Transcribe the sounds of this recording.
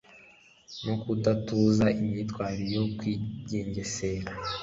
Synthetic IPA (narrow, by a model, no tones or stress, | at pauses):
no̞kudatuzaimɲitwaːɾiɾjokwiɟe̞ːɲɟe̞seɾa